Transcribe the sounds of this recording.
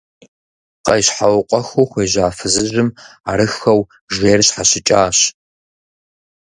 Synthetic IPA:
qɐjɕħawqʷʼɔxuːxʷeːʑaːfɨzɨʑɪma̰ɾɨxɐw | ʒeːrɕħaɕɪt͡ʃʼaːɕ

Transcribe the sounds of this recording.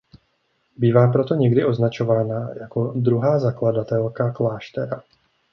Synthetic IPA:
biːvaːpɾo̞t̪o̞ɲɛɡdɪʔo̞znat͡ʃo̞vaːnajako̞dɾuɦaːzakladat̪ɛlkaklaːʃt̪ɛɾa

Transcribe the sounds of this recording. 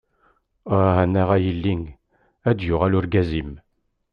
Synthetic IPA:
ænːæʁæjəlːiŋ | æd̪jʊʁælʊɾɡæzim

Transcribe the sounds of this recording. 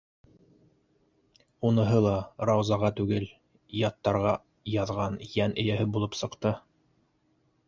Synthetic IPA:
unɤ̆ɦɤlˠɑɾɑwzɑʁɑt̪ʉɡɘl | jɑt̪ːɑɾʁɑ | jɑðʁɑnjænʔɘ̆jæɦɘbulˠɤpsɤ̆qt̪ɤ

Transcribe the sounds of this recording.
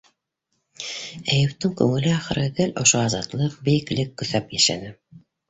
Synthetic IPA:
æjɘ̆ft̪ɘŋkʉŋɘ̆lɘæχɤ̆ɾɘðɘlʔŏʃoɑzɑt̪lˠɤqbiklɘkːɵ̆θæpjæʃæ̰nɘ

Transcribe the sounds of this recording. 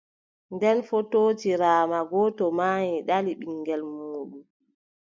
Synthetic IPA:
ndɛnfotoːtiɾaːmaɡɔːtɔmaːjiɗaliɓiŋɡɛlmuːɗum

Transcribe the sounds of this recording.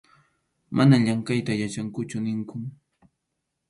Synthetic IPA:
mʔanaʎaŋkajt̪ajat͡ʃaŋkʊt͡ʃʊnɪŋkʊ

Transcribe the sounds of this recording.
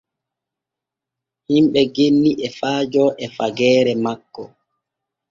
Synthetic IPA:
himɓɛɡenːiʔɛfaːd͡ʒɔʔɛfaɡɛːɾɛmakːɔ

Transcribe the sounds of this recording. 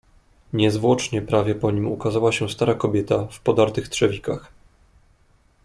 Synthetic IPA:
ɲɛzvwɔt͡ʂɲɛpɾavʲjɛpɔɲimukazawaɕɛst̪aɾakɔbʲjɛt̪afpɔd̪aɾt̪ɘxt̪ʂɛvʲikax

